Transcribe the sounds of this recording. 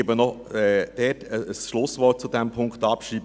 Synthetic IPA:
ebənɔɛd̥ɛtəəsʃlʊsvʋɔt̚t͡sudɛmpʰʊŋktɑpʃriːb

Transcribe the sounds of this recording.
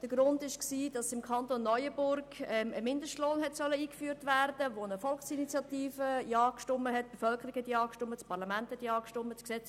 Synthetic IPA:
d̥əɡɾʊndɪʃksiːd̥ɑsɪmkʰɑntonːɔʏəbʊɾɡɛməmɪndəʃtloːnɦɛtsœləiːkfyːɾtvæːɾd̥əʋonəfɔlksinit͡sjɑtiːfəjɑːkʃtʊməɦɛt̚b̥efœlkəɾikhɛtjɑːkʃtʊmːət͡spʰɑɾlɑmænthɛtjɑːkʃtomːət͡sksɛt͡s

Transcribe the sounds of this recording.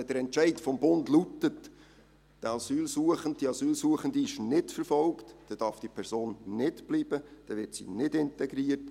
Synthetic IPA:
ɛd̥əɾɛnt͡ʃæɪtfɔmbontlutət | d̥əɑsyːlsuəχənt̚d̥iɑsyːlsuəχəndiɪʃnɪtfəɾfɔlktd̥ɛd̥ɑɾfd̥ipʰɛɾsoːnːɪtb̥liːb̥əd̥ɛʋɪrtsḭnɪdɪntɛɡɾiːət

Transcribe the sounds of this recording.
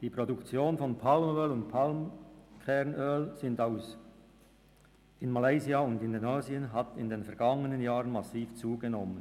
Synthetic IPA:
d̥iːpʁ̥odukt͡sjoːnfɔnpʰalmøːlʊntpʰalmkʰɛʁnʔøːlz̥ɪndaʊs | ɪnmalaɪziaʊndɪndenaːziənɦatɪndeːnfɛɐɡ̥aŋənənjaːʁənmasiːft͡suːɡenɔmən

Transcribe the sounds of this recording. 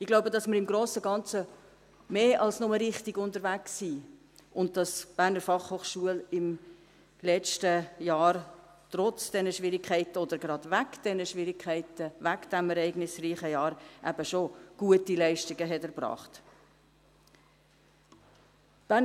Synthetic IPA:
ɪɡ̥laʊbədɑsməɾɪmɡɾoːsəɡɑnt͡sə | meːʔɑlsnɔməɾɪχtɪɡʊntəɾvæksːiː | ʔʊnt̚d̥ɑsb̥æɾnəɾfɑχhoːχʃuəlɪm | lɛt͡ʃtəjɑːɾ | trɔt͡sd̥ɛnəʃvɪɾɪkʰχɛɪtəɔd̥əɾɡɾɑd̥væɡd̥ɛnəʃvɪɾɪkʰχɛɪtəvæɡd̥æmɛɾɛɪɡnɪsriːχəjɑːɾʔæ̰b̥əʃoɡ̥uətilɛɪʃtɪɡəɦɛtɛɾbrɑ̰ːχt | b̥æːn

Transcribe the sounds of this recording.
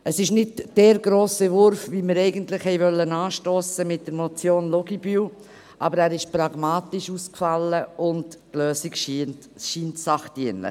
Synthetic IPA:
əsɪʃnɪdd̥ɛːɾɡɾoːsɛvʊɾfviməɾɛɪɡəntlɪχhɛɪvœlːənɑːʃtoːsəmɪt̚d̥əɾmot͡sjoːnlɔɡibyːw | ʔɑbəɾæːɾɪʃpɾɑɡmɑːtɪʃuːskfɑlːəʊndtløːsikʃn | ʃiːntsɑχtiənlɪ̰χ

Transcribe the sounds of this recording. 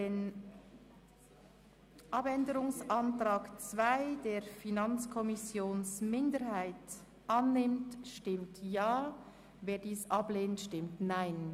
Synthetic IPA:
deːn | ʔɑpɛndəɾʊŋsʔɑntɾaːkt͡sv̥aɪdeːɾfinɑnt͡skʰɔmɪsjoːnsmɪndəɾhaɪt | ʔɑnːɪmtʃtɪmtjaː | veːɐdiːsʔɑbleːntʃtɪmtnaɪn

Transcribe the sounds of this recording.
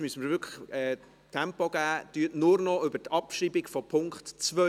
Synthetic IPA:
myəsənməɾvʏɾkʰə̥χɛː | t̪ʰɛmpɔɡ̥æːd̥yətnʊɾnɔʏbətʰɑpʃiːbɪɡfɔpʰʊŋkχtt͡svœ

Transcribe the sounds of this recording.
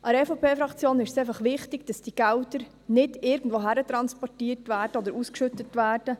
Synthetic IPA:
ʔɑɾɛfopʰeːfɾɑkt͡sjoːnɪʃseɪfɑχʋɪχtɪɡ̥d̥ɑsd̥iɡ̥æwdəɾ | nɪdɪɾɡn̩d̥ʋoːɦæɾət̪ɾɑnspɔrtiːərtʋæːɾd̥əɔd̪əɾuskʃʏtətʋæːrd̥ə

